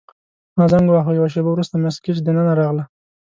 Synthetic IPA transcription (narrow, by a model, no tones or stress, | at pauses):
mɑzaŋɡwɑxojawaʃ̬ebawɾust̪amaskit͡ʃd̪ənənaɾɑɣla